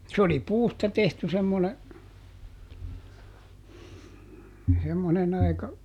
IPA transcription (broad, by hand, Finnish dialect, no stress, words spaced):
s oli puːstɑ tehty semːone semːonen ɑikɑ